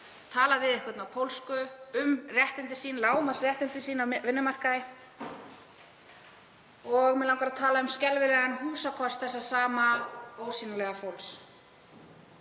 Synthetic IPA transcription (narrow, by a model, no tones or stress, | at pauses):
t̪ʰaːlavɪðɪhkvɛt̪nawpʰowlskʏʏmrjɛht̪ɪnt̪ɪ̥siːnlaːwmasrjɛht̪ɪnt̪ɪ̥siːnawvɪnːʏmar̥kaɪ | ɔɣmɛlawŋkɾaðt̪ʰaːlaʏmscɛlvɪlɛːɣanhuːsakʰɔst̪θɛsːasaːmaoːwsiːnalɛɣafowls